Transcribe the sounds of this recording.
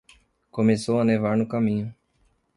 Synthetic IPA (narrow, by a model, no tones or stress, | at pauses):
komesowɐnevaɾnʊkamĩɲʊ